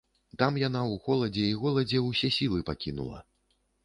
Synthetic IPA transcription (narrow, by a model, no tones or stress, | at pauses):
t̪amjanawɣɔlˠɐd͡zʲɛiɣɔlˠɐd͡zʲɛwsʲɛsʲilˠɨpakʲinṵlˠɐ̰